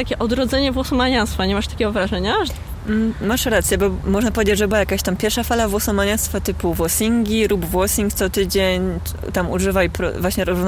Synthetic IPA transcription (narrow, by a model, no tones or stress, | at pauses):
t̪akʲɛʔɔd̪ɾɔd̪zɛɲɛvwɔsɔmaɲast̪faɲɛmaʂt̪ḁkʲɛɡɔvɾaʐɛɲa | maʂɾat̪sjɛbɔmːɔʐnapɔvʲed͡ʑed͡ʑʐɛbɘwajakaɕt̪ampʲjɛɾʂafalavwɔsɔmaɲast̪fat̪ɘpuvwɔsʲiŋɡʲiɾubvwɔsʲiŋkt̪sɔt̪ɘd͡ʑeɲ | t̪amuʐɘvajpɾɔ̰vwaɕɲɛɾɔzvn